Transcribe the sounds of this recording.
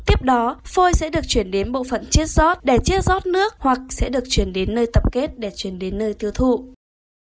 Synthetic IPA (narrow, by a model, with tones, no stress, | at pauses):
t̪i˦˥əp̚ɗɔ˨˦fo˧jsɛ̰˧˥ɗɨ˨˩ək̚t͡ɕwi˧˩ənɗe˨˦nɓo̰˧˨fə̰˧˨nt͡ɕi˦˥ət̚zɔ˦˥t̚ɗe˧˩t͡ɕi˧˦˥ət̚zɔ˦˥t̚nɨ˦˥ək̚hwa˨˩k̚sɛ̰˧˥ɗɨ˨˩ək̚t͡ɕwi˧˩ənɗe˨˦nːəː˧jt̪ə˦˥p̚ke˦˥t̚ɗe˧˩t͡ɕwi˧˩ənɗe˨˦nːəː˧jt̪i˧əwt̪ʰṵ˧˨